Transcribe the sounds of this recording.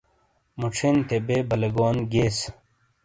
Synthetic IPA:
muʈ͡ʂʰent̪ebeːbɐleɡoːnɡeːs

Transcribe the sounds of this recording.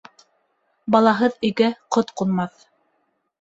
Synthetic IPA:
bɑlˠɑɦɤðĭɡæqot̪qulˠmɑθ

